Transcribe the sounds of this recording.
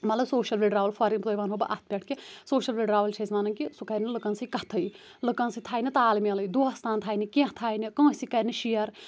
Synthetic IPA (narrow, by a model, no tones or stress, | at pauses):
mɐt̪lɐbsoːʃɐlʋʲeɖɾaːʋɐlfʰɐɾinpt̪oːjbaːnɦobɐ̰ʔɐt̪̚ʰpʲɐʈʰkisoːʃɐlʋeɖɾaːʋɐlt͡ʃʰɐsʲmaːnɐnkisukɐɾnilɨkɐ̃nsɨkɐt̪ʰɐj | lɨkɐ̃nsɨt̪ʰaːjnit̪aːlimelɐjd̪uːɐst̪ʰaːnt̪ʰaːjnikĩht̪ʰaːjnikɐ̃ːsikɐɾniʃijɐɾ